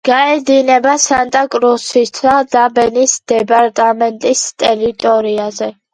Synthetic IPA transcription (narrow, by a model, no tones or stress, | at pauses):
ɡ̥aɛd̪inɛbasant̪ʼakʼɾusist̪ʰad̪abɛnisd̪ɛpʼaɾt̪ʼamɛnt̪ʼist̪ʼɛɾit̪ʼɔɾiazɛ